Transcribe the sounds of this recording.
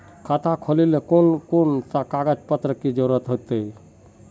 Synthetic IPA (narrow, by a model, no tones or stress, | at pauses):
kʰət̪ʰakʰolilekonkont̪akaɡəd͡ʒpət̪ɾəkid͡ʒəɾuɾət̪ɦot̪əi